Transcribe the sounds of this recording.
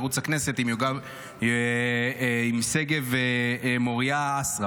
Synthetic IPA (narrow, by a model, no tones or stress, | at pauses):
ʁut͡shakne̞se̞t̪imjoɡav | imse̞ɡevemoʁiaasʁa